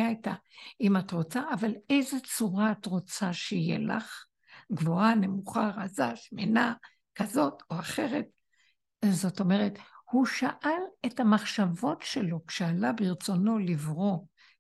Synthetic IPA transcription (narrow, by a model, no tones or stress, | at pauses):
aita | imatʁo̞t͡saʔːvalejzet͡suʁaːtʁo̞t͡saʃijḛla̰χ | ɡvo̞ane̞muχaʁazaʃmena | kazo̞tʰo̞aχe̞ʁe̞t | zo̞to̞me̞ʁethuʃaʔale̞thamaχʃavo̞tʃelo̞kʃealabiʁt͡so̞no̞livʁo̞